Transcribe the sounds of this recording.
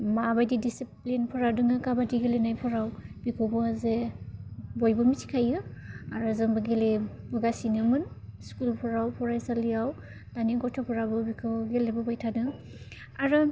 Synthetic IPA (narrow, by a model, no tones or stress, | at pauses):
mabajdidisiplinpʰɔɾadɯŋakabadiɡelenajpʰɔɾawbikʰɯbɔaze | bɔjbɔmitʰi̥kʰajɯaɾɯzɯŋbɯɡele | bɯɡasinɯmɯnskulpʰɔɾawpʰɔɾajsalijaw | d̥aniɡɔtʰɔpʰɔɾabɯbikʰɯbɡelebɯbɔjtʰadɯŋ | aɾɯ